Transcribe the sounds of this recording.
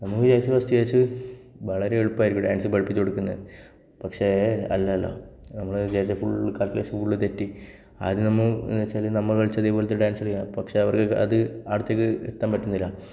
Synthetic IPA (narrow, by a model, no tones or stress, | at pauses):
nɐmːukːɨd͡ʑeːt͡ɕːɐʋɐst̪ijeːt͡ɕːɨ | ʋɐɭɐɾe̞eɻupːaːjiɾikʲːuɖaːnsɨbɐɭpːit͡ɕːoɽukːunːɐɨ | pɐkʂeeɐ̰lːaːlːɐ̰nɐmːɐɭd͡ʑeːt͡ɕːɐfuɭːkaːʈːleːɕɐfuɭːɨt̪etːi | aːðinɐmːɐnet͡ɕːaːlnɐmːɐɭɐɭt͡ɕːɐðeːpoːlet̪ːeɖaːnsɐɽkːapɐkʂeɐʋɐrkɨɐðɨaːɽut̪jɐk̬ːɨḛt̪ːaːmpɐʈːunːilːɐ